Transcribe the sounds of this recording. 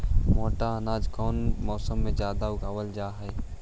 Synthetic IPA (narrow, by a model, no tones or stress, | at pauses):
moːʈaənaːd͡ʒkɔːnmɔːsəmːẽd͡ʒjaːd̪aʊɡʱaːʋəld͡ʒaːɦɛː